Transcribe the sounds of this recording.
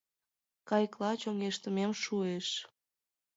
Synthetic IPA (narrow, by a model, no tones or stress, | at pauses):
kɑjklɑt͡ɕoŋeʃt̪əmemʃueʃ